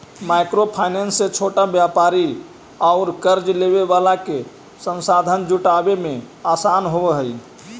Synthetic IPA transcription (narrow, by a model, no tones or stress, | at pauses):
maɪkɾopʰaɪnensːet͡ʃʰoʈabjapaɾi | aʊɾkəɾd͡ʒleβeʋalake | sə̃nsad̪ʱənd͡ʒuʈabemẽ | asaːnɦoɦəj